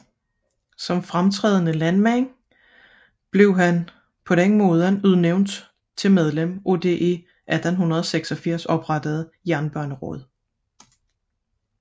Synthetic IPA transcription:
sɒ̽mfʁamt͡sʰʁɛ̰ːð̞ˠənəlænmæŋ | b̥le̝ʊɦæn | pʰɒ̽ɾeŋmoːð̞ˠənuð̞ˠneʊnd̥ | t͡sʰe̝lmeð̞ˠlemʔo̝d̥e̝ʔe̝ | ʔæd̥nhunʁɐð̞ˠɒ̽seɡ̥sɒ̽fiɐ̰sɒ̽b̥ʁɑd̥əð̩ˠ | jæɐnb̥ɶɐnəʁɔð̞ˠ

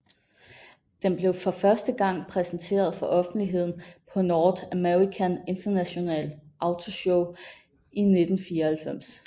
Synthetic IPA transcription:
d̥enb̥le̝ʊfɒ̽fɶɐsd̥əɡ̥ɑ̈ŋ̰pʰʁɛsn̩t͡sʰe̝̰ːɐð̞ˠfɒ̽ʔɒ̽fn̩d̥liɦe̝ð̰ˠn̩pʰɒ̽nɒːd̥æmeʁikʰæne̝nd̥ɐnæɕo̝nɛ̰ːlʔɑ̈ʊt͡sʰo̝ɕɔʊ | ine̝d̥n̩fiːɐhælfem̰s

